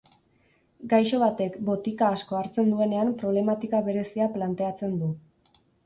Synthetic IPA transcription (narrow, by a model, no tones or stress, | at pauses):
ɡajʃo̞β̞at̪e̞kbo̞t̪ikaːsko̞aɾt͡se̞nd̪ue̞ne̞ampɾo̞β̞le̞mat̪ikaβe̞ɾe̞siaplant̪e̞at͡se̞nd̪u